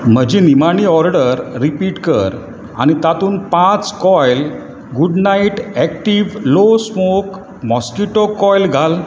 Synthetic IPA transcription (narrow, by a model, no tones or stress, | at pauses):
m̤əd͡ʑinimaɳ̃iːɔɾɖəɾːipiʈkəɾ | a̰ñit̪at̪uːnpãt͡skɔjl | ɡuɖnaiʈɛk̚ʈiʋlosmok | mɔskiʈokɔjlɡʱal